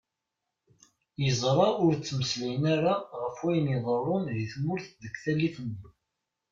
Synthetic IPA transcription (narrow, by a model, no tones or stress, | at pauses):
jəzˤɾˤɑʊɾt͡sːməslæjənaɾaʁəfwæjənəðˤərˤːonðiθmʊɾθðəkθælːiθənːi